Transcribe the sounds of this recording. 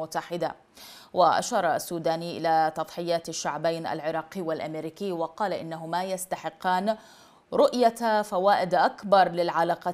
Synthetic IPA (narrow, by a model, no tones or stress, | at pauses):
ʊt̪ːaħɪd̪a | waʔa̰ʃɑːɾˤɑasːuːd̪aːniʔɪlat̪ɑðˤħɪjːaːt̪aʃːaʕbajna̰lʕɪɾˤɑːqiːwalʔameɾiːkiːwɑqɑːlaʔɪnːaɦʊmajast̪aħɪqːaːn | ɾʊʔjafawaːʔɪd̪ʔakbɑɾˤlɪlʕalaːqɑ